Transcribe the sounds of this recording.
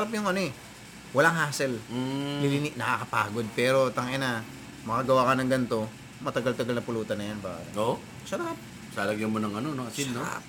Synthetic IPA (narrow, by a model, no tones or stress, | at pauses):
ɾap̬jʊŋʔɐnoɛ | wɐlaŋɦaːsɛl̩lɪlɪnɪʔnɐkakɐpa̰ːɡo̞d̪̚pɛːɾo̞t̪ɐŋʔɛnɐ | mɐkɐɡɐwaːkɐnɐŋɡɐnt̪o̞ | mɐt̪ɐɡalt̪ɐɡalnɐpʊluːt̪ɐnːɐjanba̰ʔɾɐʔo | sɐɾap̚ | saːlɐɡjɐmonɐŋɐnonoʔɐsinːoɾa̰p